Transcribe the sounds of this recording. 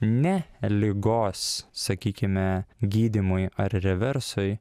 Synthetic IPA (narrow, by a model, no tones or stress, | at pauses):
nʲɛlʲɪɡoːssɐkʲiːkʲɪmʲɛɡʲiːd̪ʲɪmʊjɐɾɾʲɛʋʲɛɾsʊɪ